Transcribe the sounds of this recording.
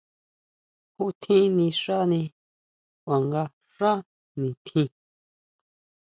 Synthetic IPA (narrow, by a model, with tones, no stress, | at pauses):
hu˦t̪ʰĩ˦nĩ˧ʂa˦nĩ˧ | a˨ŋɡa˧ | ʂa˦ | nĩ˨t̪ʰĩ˧